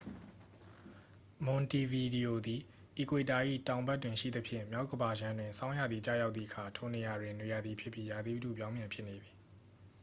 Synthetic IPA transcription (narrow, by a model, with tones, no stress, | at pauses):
mʊ̃˨nti˨vi˨di˨o˨d̪i˨ | ʔi˨kwe˨ta˨ʔḭ˦˨tã˨ʊ̃mba˦˨tːwɪ̃˨ʃḭ˦˨d̪ə˦pʰjɪ̰̃˦˨mja˦ʊʔkəba˨jã˦ndwɪ̃˨nsʰã˦ʊ̃ja˦˨d̪ði˨t͡ɕa̰˦˨ja˦t̪θḭ˦˨ʔəkʰa˨tʰo˨ne˨ja˨dwɪ̃˨nwe˨ja˨d̪i˨pʰjɪ˦pːji˦˨ja˨d̪i˦tṵ˦˨pjã˦ʊ̃mjã˨mpʰjɪ˦ʔne˨d̪i˨